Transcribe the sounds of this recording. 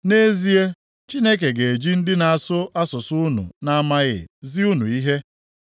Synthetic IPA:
ne˦zi˦e˦ | t͡ʃi˦ne˦k̬e˨ɡe˨e˨d͡ʒi˦n̩˦dɪ˦na˨a˨sʊ˦a˦sʊ˨sʊ˦nṵ˨na˦a˦ma˦ɣɪ̰˨zɪ˦u˦nṵ˨i˦ɦe˦

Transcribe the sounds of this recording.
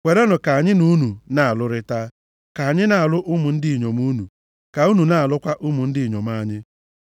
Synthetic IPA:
kʷe˨ɾe˦nʊ˨ka˨a˨ɲɪ˦nu˦nu˨na˨a˨lʊ˦ɾɪ˦ta˦ | ka˨a˨ɲɪ˦na˨a˨lʊ˦ʔʊ˦mʊ˨n̩˦dɪ˦i˨ɲo˨mu˦nu˨ | ka˨u˦nu˨na˨a˨lʊ˦kʷa˦ʔʊ˦mʊ˨n̩˦dɪ˦˨ɲo˨m˦a˦˨ɲɪ˦

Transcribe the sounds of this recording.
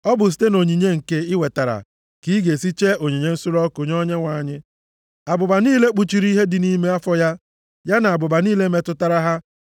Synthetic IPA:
ɔ˦bʊ˨si̥˨te˦no˨ɲi˨ɲe˦ŋ̩˨ke˦ɪ˦we˨ta˨ɾa̰˨ | ki˦i˦ɡe˨si˦t͡ʃe˦o˨ɲi˨ɲe˨˦n̩˦sʊ˦ɾɔ˦kʊ˨ɲɔ˦ɲe˦ŋʷa˨ɲɪ˦ | a˨bʊ˨ba˨niː˦le˦k͡pu˨t͡ʃi˨ɾi˦ɦe˦dɪ˨ni˦me˦a˦fɔ˦ja˦ | ja˦na˨a˨bʊ˨ba˨niː˦le˦me˦tʊ˦ta˦ɾa˦ɦa˦

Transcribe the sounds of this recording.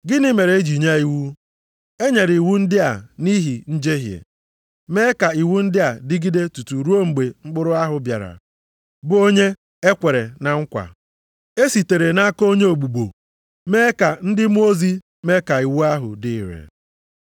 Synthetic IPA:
ɡɪ˦nɪ˦me˨ɾe˨e˦d͡ʒi˨ɲa˦i˨wu˦ | e˦ɲe˨ɾi˨wu˦n̩˦dɪ˦a˨ni˦ɦi˨n̩˦d͡ʒe˦ɦjḛ˨ | me˦ka˨i˨wu˦n̩˦dɪ˦a˨dɪ˦ɡi˦de˦tu˨tu˨ɾu˦o˦ŋ͡m̩˨ɡ͡be˨ŋ͡m̩˦k͡pʊ˦ɾʊ˦a˦ɦʊ˨bja̰˨ɾa̰˨ | bʊ˨˦o˦ɲe˦ | e˦kʷe˨ɾe˨na˨ŋ̩˦kʷa̰˨ | e˦si˨te˨ɾe˨na˦ko˦ɲe˦o˨ɡ͡bu˨ɡ͡bo˨ | me˦ka˨n̩˦dɪ˦m˦o˦zi˦ | me˦ka˨i˨wu˦a˦ɦʊ̰˨dɪ̰˨ɾḛ˨

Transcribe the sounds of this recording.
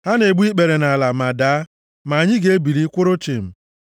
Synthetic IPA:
ha˦ne˨ɡ͡bʷi˦k͡pe˨ɾe˨na˨la˨ma˨daː˨˦ | ma˨ɲɪ˦ɡe˦e˦bi˨ɾi˦kʷʊ˦ɾʊ˦t͡ʃi˨m̩˨

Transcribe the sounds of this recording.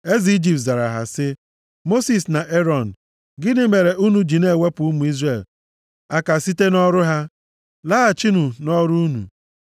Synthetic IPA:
e˦zi˨i˦d͡ʒi˨p̚tza˨ɾa˨ɦa˨sɪ˦ | mo˦si˨sna˨ʔe˦ɾɔ˨n̩˨ | ɡɪ˦dɪ˦me˨ɾe˨ʔu˦nu˨d͡ʒi˨ne˦˨we˦pu˨u˦mu˨i˦zre˨l | a˦ka˨si˦te˦nɔ˦ɾʊ˦ɦa˦ | la˦a˨t͡ʃi˦nu˨nɔ˦ɾu˦u˦nṵ˨

